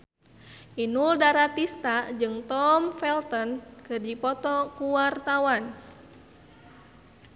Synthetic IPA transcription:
ʔinuldaɾat̪ist̪ad͡ʒɨŋt̪ɔmfɛlt̪ɔnkɨrd͡ʒipɔt̪ɔkuwart̪awan

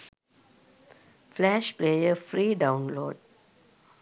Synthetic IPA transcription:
flɛʃpleːjəfɾiːɖãʊ̃nlo̰ːɖ

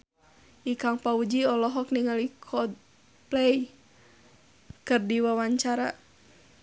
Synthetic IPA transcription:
ʔikaŋpaud͡ʒiɔlɔɦɔk̚niŋalikʰɔd̚ | plɛj | kɨrdiwawaɲt͡ʃaɾa̰

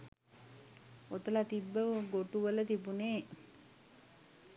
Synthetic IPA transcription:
ot̪əlat̪ibːəɡoʈuʋələt̪ibuneː

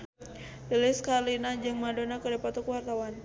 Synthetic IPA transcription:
dilɪskalinad͡ʒɨŋmadonakədapat̪ukəwart̪awan

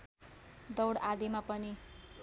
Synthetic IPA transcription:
d̪ʌwɽad̪emapʌni

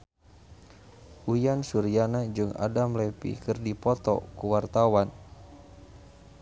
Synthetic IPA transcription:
ʔujansuɾianad͡ʒɨŋa̰damlɛpḭkərdipɔt̪ɔ̰kuwart̪awan

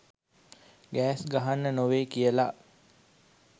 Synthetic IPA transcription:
ɡæːsɡaɦanːənoʋeːkijəla

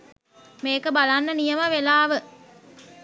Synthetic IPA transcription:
meːkəbalanːənijəməʋelaːʋə

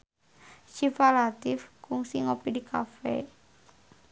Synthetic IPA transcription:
ʃifalat̪ɪfkʊŋsiŋopidikʰa̰fɛ̰

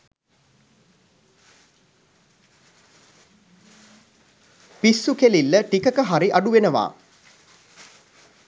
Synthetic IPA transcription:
pisːukelilːəʈikəkəɦaɾiʔaɖuʋenəʋa̰ː

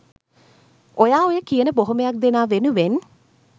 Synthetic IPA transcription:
ojaːojəkijənəboɦomejak̚d̪enaːʋenuʋen

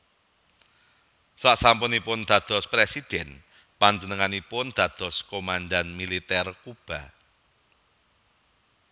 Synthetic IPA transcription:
saʔsampʊnipʊnd̪̥ä̤d̪̥ɔ̤spɾesid̪̥ɛn | paɲd͡ʒənəŋanipʊnd̪̥ä̤d̪̥ɔ̤skomanɖanmilit̪ɛrkub̥a̤

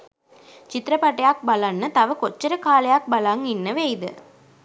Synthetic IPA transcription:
t͡ʃɪt̪ːɾɐpɐʈːɐjaːk̚bɐlanːɐt̪ɐʋɐkɔt͡ʃːɐɾɐkaːlɐjaːk̚bɐlaːŋɡɪnːɐʋeːɪðɯ̰

